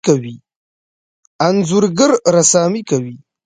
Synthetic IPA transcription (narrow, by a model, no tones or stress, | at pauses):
kawi | anzʊɾɡəɾɾasaːmikawi